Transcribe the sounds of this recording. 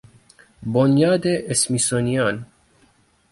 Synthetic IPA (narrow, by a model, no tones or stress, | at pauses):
bonjɑːd̪eʔesmisonijɑːn